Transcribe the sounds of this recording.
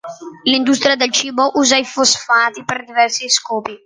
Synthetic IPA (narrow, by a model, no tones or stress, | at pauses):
lind̪ust̪ɾijad̪elt͡ʃiːboʔuːzaifosfaːt̪iperd̪ivɛrsiskɔːpi